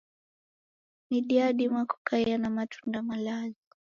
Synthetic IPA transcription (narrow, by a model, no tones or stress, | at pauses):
niɗiaɗimwaku̥kaianamatʰu̥ndamalazi